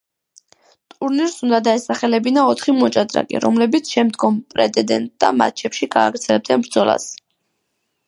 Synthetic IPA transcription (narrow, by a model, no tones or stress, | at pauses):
t̪ʼuɾniɾsund̪ad̪aɛsaχɛlɛbinaɔt̪ʰχimɔt͡ʃʼad̪ɾa̰kʼḭɾɔ̰mlɛbit̪sʰʃɛmd̪ɡɔmpʼɾɛ̰t̪ɛd̪ɛ̰nt̪̚ʼd̪̥a̰ma̰t̪̚t͡ʃʰɛpʃiɡaːɡɾt̪sʰɛlɛb̚d̪ɛnbɾd̪zɔlˠa̰s